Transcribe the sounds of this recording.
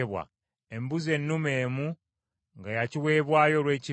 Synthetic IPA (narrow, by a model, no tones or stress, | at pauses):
eβwa̰ | e̞mbuze̞nːume̞ːmu | ŋɡajaciwe̞ːβwaːjo̞lwe̞ːci